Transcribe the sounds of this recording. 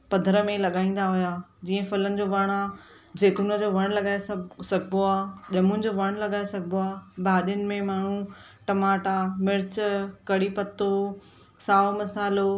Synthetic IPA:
pɐ̃nd̪ʱɾəmẽlɐɠaːĩːn̆d̪aɦʊjaːd͡ʑiːə̃fʊlənɪ̆d͡ʑoːʋɐɽ̃a | d͡ʑeːkunəd͡ʑoʋɐɽ̃lɐɠaːessɐɡʱboaːʄɐmʊ̃nɪ̆d͡ʑoːʋɐɽ̃lɐɠaːesɐɡʱboaːbaːɗjənɪ̆mẽmaːɳ̤ũ | ʈɐmaːʈamɪɾɪt͡ɕkɐɽipɐt̪ːo | saːomɐsaːlo

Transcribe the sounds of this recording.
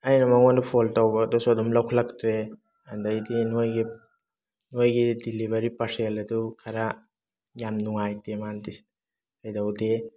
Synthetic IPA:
ajnamaŋɔndupʰɔltawbadɔsuadɔmlawkʰalak̚tɾe | andajdinojɡi | nojɡidilibaɾipaɾselɐdukʰaɾa | jamnuŋajdemantis | tajdawde

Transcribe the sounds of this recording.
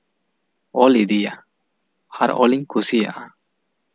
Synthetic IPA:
ɔlid̪ija | haɾɔ̰liŋkʰusija̰ʔa

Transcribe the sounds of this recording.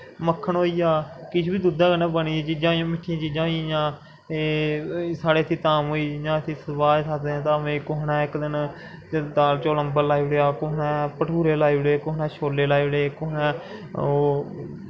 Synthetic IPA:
məkʰːəɳɦoːiːaːkɪt͡ʃʰbiːd̪ud̪ãːkənãːbəniːet͡ʃiːd͡ʒãːjõːmɪʈʰːiãt͡ʃiːd͡ʒãːijãː | e | saːɽeːət̪ʰiːt̪aːmɦoːiːd͡ʒãːət̪ʰiːsəbaːd͡ʒsaːt̪d̪eːãːt̪ãːʋẽːkoɦɳɛːɪkd̪ɪn | d̪aːlt͡ʃoːləmbəɾlaːiʋɽeaːkʊɦɳɛːpəʈʰuːɾeːlaːiːʋɽeːkʊɦnɛ̃ːʃʰoːleːlaːiʋɽeːkʊːnɛ̃ː

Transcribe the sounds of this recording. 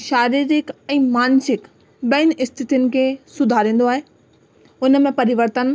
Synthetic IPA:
ʃaːɾiɾɪkɛ̃ːmaːnsɪk | ɓɐɪnɪ̆ʔɪst̪ʰɪt̪ijʊnɪ̆kʰeːsʊd̪ʱaːɾĩːn̆d̪oaːɦeː | ʊnmẽpɐɾɪʋəɾt̪ən

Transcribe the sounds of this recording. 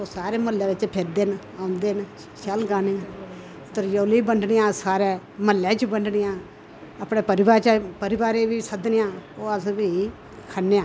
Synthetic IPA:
oːsaːɾeːməlːɛːʋɪt͡ʃpʰɪɾd̪eːn | ãːʊnd̪eːn | ʃəlɡaːneː | t̪əɾjoːliːbəɳɖnijãːsaːɾɛː | məlːɛːt͡ʃbəɳɖnɪjãː | əpɽeːpəɾɪʋaːɾt͡ʃəpəɾɪʋaːɾeːʋiːsəd̪nɪjãːoːəsbiː | kʰənːeːãː

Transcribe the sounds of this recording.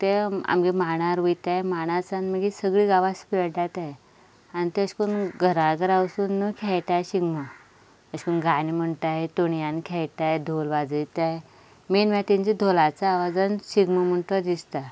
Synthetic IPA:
t̪ea̰mɡemaɽ̃aɾʋəjt̪ajmaɽ̃at͡sanməɡisəɡɭiːɡaʋaspiəʈat̪ae | anit̪eəɕkunɡʱəɾaɡʱəɾawsuːnːukʰɛjt̪ajeɕiɡmə | əɕkunɡanim̤əɳʈ̪aɦet̪oɳjankʰɛjt̪ajd̪ʱolʋad͡zəjt̪ae | menmat̪iɲt͡ɕid̪ʱolat͡saːʋad͡zənɕiɡməm̤əɳʈ̪əd̪ist̪a

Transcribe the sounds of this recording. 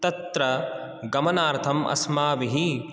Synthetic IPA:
t̪ɐt̪ɾɐ | ɡɐmɐnaːɾt̪ʰɐmʔɐ̰smaːʋiɦi

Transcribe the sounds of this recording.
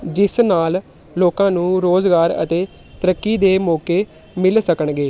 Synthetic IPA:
d͡ʒɪsnaːlː | oːkãːnũːɾoːzɡaːɾə̰t̪eː | t̪əɾəkːiːd̪eːmɔːkeː | mɪlsəkəɳɡeː

